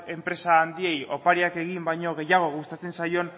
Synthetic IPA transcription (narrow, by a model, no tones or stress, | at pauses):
e̞mpɾe̞saːnd̪ie̞jo̞paɾiake̞ɣ̞imbajɲo̞ɣ̞e̞jaɣ̞o̞ɣust̪at͡se̞nsajo̞n